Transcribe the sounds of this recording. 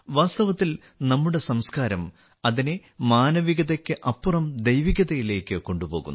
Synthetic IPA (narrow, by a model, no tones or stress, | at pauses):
ʋaːst̪ɐʋɐt̪ːil | nɐmːuɽe̞sɐmskaːɾɐm | ɐðine | maːnɐʋiɣɐðɐkʲːɨʔɐpːurɐmd̪ejʋiɣɐðɐjile̞ːkːɨko̞ɳɖupo̞ːɣṵnː